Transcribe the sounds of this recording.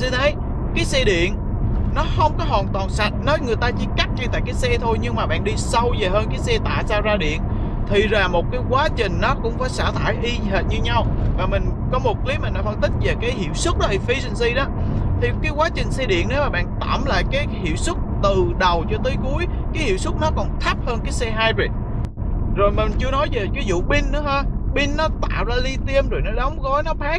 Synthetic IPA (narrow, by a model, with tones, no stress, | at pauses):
si˧nt̪ʰe˨˦j | kaː˨˦jsɛ˧ɗḭ˧˨ən | nɔ˨˦hə˧wŋ͡mkɔ˨˦ɦwaː˨˩nt̪waː˨˩nsa˨˩jt̚nɔ˨˦jŋɨ˨˩əjt̪aː˧t͡ɕḭ˧˥ka˦˥k̚ɲɨ˧t̪a̰ː˧˨jkaː˨˦jsɛ˧t̪ʰo˧jɲɨ˧ŋmaː˨˩ɓa̰ː˧˨nɗi˧sa˧wzəː˨˩ɦəː˧nkaː˨˦jsɛ˧t̪a̰ː˧˨zaː˧zaː˧ɗḭ˧˨ən | t̪ʰi˨˩zaː˨˩mo˨˩t̚kaː˨˦jkwaː˨˦t͡ɕï˨˩ŋ̟nɔ˨˦kʊ̰˧˥wŋ͡mfaː˧˩jsa̰ː˧˩t̪ʰaː˧˩jɦi˧ɦe˨˩t̚ɲɨ˧ɲa˧wvaː˨˩mï˨˩ŋ̟kɔ˨˦mo˨˩t̚kli˨˦ma˨˩na˨˧˩fə˧nt̪ï˦˥k̟̚ve˨˩kaː˨˦jhḭ˧˨əwsɨ˦˥k̚ɗɔ˨˦i˨˩fi˨˦si˧ŋ̟si˧ɗɔ˨˦t̪ʰi˨˩kaː˨˦jkwaː˨˦t͡ɕï˨˩ŋ̟sɛ˧ɗḭ˧˨əne˨˦maː˨˩ɓa̰ː˧˨nt̪a̰ː˧˩mla̰ː˧˨jkaː˨˦jhḭ˧˨wsɨ˦˥t̚t̪ɨ˨˩ɗə˨˩wt͡ɕɔ˧t̪əː˨˦jku˨˦əj | kaː˨˦jhḭ˧˨wsɨ˦˥t̚nɔ˨˦kɔ˨˩nt̪ʰa˦˥p̚həː˧nkaː˨˦jsɛ˧ɦaː˧jbi˨˩t̚ | zo˨˩jmï˨˩ŋt͡ɕɨ˧ənɔ˨˦jve˨˩vi˨˦zṵ˧˨ɓi˧nnɨ̰˧˨˥haː˧ɓi˧nːɔ˨˦t̪a̰ː˧˨wzaː˧li˧t̪i˧əmzo˨˩jnɔ˨˦ɗə˨˦wŋ͡mɣɔ˨˦jnɔ˨˦pʰaː˦˥k̚